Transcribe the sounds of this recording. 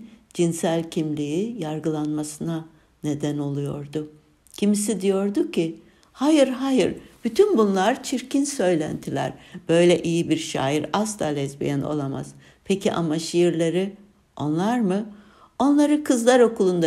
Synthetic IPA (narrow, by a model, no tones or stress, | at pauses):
d͡ʒinsælʲcʰimlʲijijaɾɡɯlˠanmasɯna | ne̞d̪æno̞lˠujo̞̰ɾd̪ʊ | cʰimis̬id̪ijo̞ɾd̪ucʰi | hajɯɾɦajɯɾb̥yt̪ʰynbunlˠaɾt͡ʃʰiɾcʰinsø̞jlʲæ̰nt̪ʰilʲæ̰ɾb̥ø̞jlʲɛʔijibiɾʃa̰ːjiɾast̪alʲɛzbḭjɛno̞̰lˠama̰z̥ | pʰecʰḭʔa̰maʃijɯɾlʲˠaɾi | o̞̰nlˠaɾmɯ | o̞nlˠaɾɯkʰɯzlˠaɾo̞kʰulˠund̪a